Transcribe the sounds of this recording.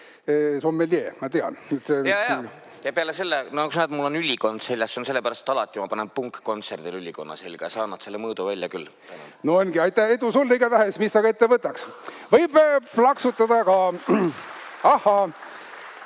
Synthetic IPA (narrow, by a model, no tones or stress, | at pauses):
esomːeljḛːmɑt̪eɑ̰net̪sejɑjɑ | jɑpeɑlese̞lːenokusnæd̪mulːo̞nylʲiko̞nd̪̥se̞lʲjɑsːonse̞lːepæɾɑst̪e̥t̪ɑlɑt̪ʲːˑimɑpɑnenpuŋkːo̞nt̪serd̪̥ilylʲiko̞nːɑ̰selɡ̥ɑjɑsɑːnːɑd̪̥se̞lːemɤːd̪uvælʲjɑkylːt̪æno̰noonɡiɑjt̪ːˑæhe̞d̪usolːiɡɑt̪æɦesmist̪ɑɡɑe̞t̪ːevɤt̪ːˑɑksvɤjb̥plɑksut̪ːˑɑd̪̥ɑkɑ | ɑhːɑ